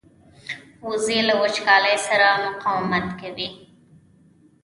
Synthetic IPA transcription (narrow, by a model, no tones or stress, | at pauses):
xozelawat͡ʃkɑləjsaɾamʊqɑwɪmat̪kawi